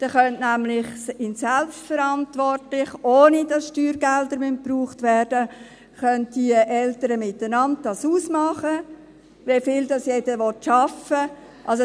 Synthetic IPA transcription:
d̥ɛχœntnæmlɪχɪnsɛlpstfəɾɑntʋɔrtlɪχʔoːnid̥ɑsʃtyːɾɡɛldəɾmʏnt̚pruːχtʋɛːrd̥ə | χœnt̚d̥iʔɛltəɾəmɪtənɑnt̚d̥ɑsuːsmɑχə | ʋefɪːldɑsjedəʋɔtʃɑfə | ʔɑls̬o

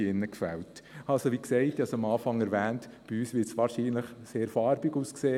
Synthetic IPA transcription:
ɪnːəkfɛltɑlsoʋiksɛɪt̪ɑsɑmɑːfɑŋɛɾʋæːnt | b̥iyːsʋɪɾtsʋɑːɾʃiːnləχseːɾfɑːɾbiɡuːskseː

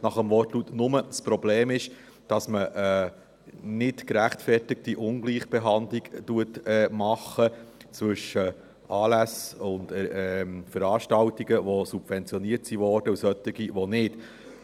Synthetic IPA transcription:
nɑχəmvɔrtlut̪nʊməspɾɔbleːmɪʃ | d̥ɑsməʔə | nɪtkɾæχtfɛrtɪk̚tiʔʊnɡliːχb̥eɦɑndliɡtuətɛmɑχːət͡sʋɵʃːə | ɑːlæsʊndɛfəɾɑːʃtɑwtiɡəʋosub̥vɛnt͡sjɔniəɾtsiʋɔːɾd̥əusœt̪ɪɡiʋɔnɪt

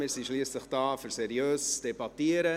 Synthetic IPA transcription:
mɪːɾsiʃliːsləχd̥ɑːfʏɾsɛɾiøːst͡sd̥ebɑt̪iəɾə

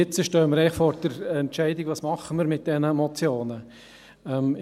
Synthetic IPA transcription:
ɪt͡səʃtøːəməɾɛɪχfɔɾd̥əɾɛntʃɛɪdɪɡ̥ʋɑːsmɑχəməɾmɪt̚d̥ɛnəmɔt͡sjoːnə | ɛm

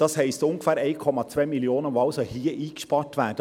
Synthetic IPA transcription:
d̥ɑshɛɪstʊŋɡəfæːɾɛɪkʰɔmɑt͡sʋœɪmiljoːnənʋoɑʊsohiːəʔiːkʃpɑːtʋæːdə

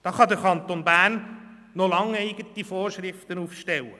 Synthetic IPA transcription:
d̪̥ɑːχɑd̪əɾkʰɑnt̪onbæːrnː | olɑŋeɪɡ̥ətifɔːɾʃrɪft̪ənufʃtɛlə

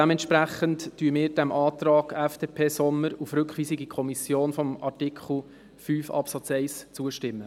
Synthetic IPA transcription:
d̥ɛmɛnt̪ʃpɾæχənttyəmɪːɾdæmʔɑːt̪ɾɑːɡæfd̥epʰeːsɔmːəɾufɾʏkχʋiːsiɡikʰɔmisjoːnfɔmɑ̰rtikχl̩ˠ | fyːfɑ̰psɑt͡sɛɪst͡suəʃtɪmːə

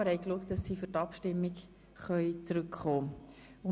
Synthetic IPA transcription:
əɾhɛɪkluəktɑsːiːføɾtɑpʃtɪmːik | χœʏt͡sɾʏkχoː | ʊ

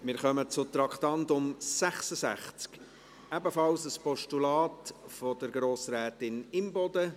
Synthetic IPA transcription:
mɪɾχœmət͡sʊt̪ɾɑktɑntʊmsæχsəsæ̰χt͡sk | æbəfɑlsəspɔʃtulɑːtfɔdəɾɡɾoːsɾɛːtɪnɪmbɔdə

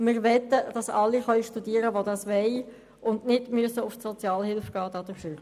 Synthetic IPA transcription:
mɪːʁʋɛt̪əd̥ɑsɑlːiχœʏʃtudiːəɾəʋodɑsʋɛɪ | ʔʊndnɪdmyəsəʊftsɔt͡sjɑːlhɪlfɡ̥ɑːd̥ɑːd̥ʊʁfyːʁ

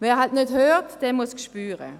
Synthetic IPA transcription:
vɛːʁɦaltnøthøːtd̥ɛmuskʃpyːʁə̰

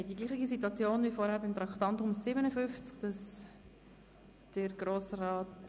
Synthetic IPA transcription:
diɡliːχɪɡisit̪wɑt͡sjoːnvifɔɾhɛɾbɪmt̪ɾɑkt̪ɑnt̪ʊmsɪbənəfʏft͡skd̥ɑs | d̥əɾɡɾoːsraːt

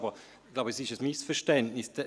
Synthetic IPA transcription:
bə | ɡ̥laʊbəsɪʃəsmɪsfəʃtɛntnɪsd̪ɛ

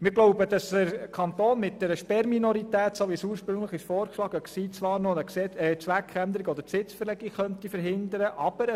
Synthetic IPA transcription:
mɪɾɡloʊbəd̥ɑsəɾkʰɑnt̪oːnmɪt̚d̥ɛːɾəʃpɛɾminɔɾitæːtsoʋisuːəɾʃpɾɵŋləχɪʃfɔːɾkʃlɑːɡəksiːt͡sʋɑːɾnoəsɛɛt͡sʋækχænd̪əɾiɡɔdəɾpsɪt͡sfəɾlɛɡikχœntifəɾɦɪnd̪əɾəʔɑb̥əɾ

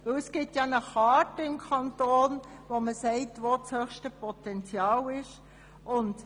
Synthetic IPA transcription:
ʋɪwləsɡ̥ɪp̚tjɑnəχɑːtəɪmkʰɑntoːnʋoməsɛɪtʋot͡shøxʃtəpɔtɛnt͡sjɑːlɪʃ | ʔʊnt

